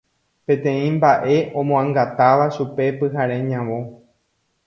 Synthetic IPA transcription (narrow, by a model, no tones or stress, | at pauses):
pẽ̞t̪ẽ̞ĩmbaʔe̞ʔõmõãŋɡat̪aʋaʃupe̞pɨɦaɾẽ̞ɲãʋõ̞